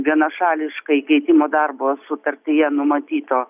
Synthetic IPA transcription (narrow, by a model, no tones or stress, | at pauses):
ʋʲiɛnɐʃɑːlʲɪʃkɐikʲɛɪt̪ʲɪmoːd̪ɐrboːsʊt̪ɐɾʲt̪ʲɪjɛnʊmɐt̪ʲiːt̪oː